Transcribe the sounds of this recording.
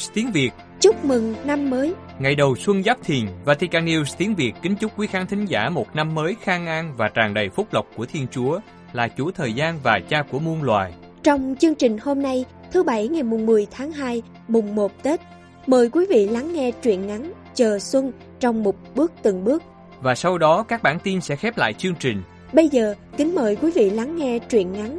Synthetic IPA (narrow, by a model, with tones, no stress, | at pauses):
t̪i˨˦ŋvi˨˩ət̚ | t͡ɕʊ˦˥k͡p̚mɨ˨˩ŋna˧mːəː˨˦j | ŋa˨˩jɗə˨˩wswə˧nzaː˦˥p̚t̪ʰi˨˩ənvaː˨˩t̪ʰi˧kaː˧˩ni˧wst̪i˨˦ənvi˨˩əkkï˨˦ŋ̟t͡ɕʊ˦˥k͡p̚kwi˨˦xaː˨˦nt̪ʰï˨˦ŋ̟zaː˧˩mo˨˩t̚na˧mːəː˨˦jxaː˧ŋʔaː˧ŋvaː˨˩t͡ɕaː˨˩ŋɗə˨˩jfʊ˦˥k͡p̚lə˨˩wk͡p̚ku˧˩ət̪ʰi˧ənt͡ɕu˨˦ə | laː˨˩t͡ɕu˧˩t̪ʰəː˨˩jzaː˧nvaː˨˩t͡ɕaː˧ku˧˩əmu˧ənlwa̰ː˨j | t͡ɕɔ˧wŋ͡mt͡ɕɨ˧əŋt͡ɕï˨˩ŋ̟ho˧mna˧j | t̪ʰɨ˨˦ɓa˧˩jŋa˨˩jmʊ˨˩ŋ͡mmɨ˨˩əjt̪ʰaː˨˦ŋɦaː˧j | mʊ˨˩ŋ͡mmo˨˩t̚t̪e˦˥t̚ | məː˨˩jkwi˨˦vḭ˧˨la˨˦ŋːɛ˧t͡ɕwḭ˧˨ənŋa˨˦n | t͡ɕəː˨˩swə˧n | t͡ɕɔ˧wŋ͡mmo˨˩t̚ɓɨ˦˥ək̚t̪ɨ˨˩ŋɓɨ˦˥ək̚ | vaː˨˩sa˧wɗɔ˨˦kaː˦˥k̚ɓaː˧˩nt̪i˧nsɛ̰˧˥xɛ˦˥p̚la̰ː˧˨jt͡ɕɨ˧əŋt͡ɕï˨˩ŋ̟ | ɓə˧jzəː˨˩kï˨˦ŋ̟məː˨˩jkwi˨˦vḭ˧˨la˨˦ŋːɛ˧t͡ɕwḭ˧˨ənŋa˨˦n